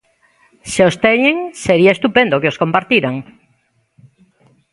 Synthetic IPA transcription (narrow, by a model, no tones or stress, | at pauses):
seost̪eɲeŋseɾiaest̪upend̪okeoskompaɾt̪iɾaŋ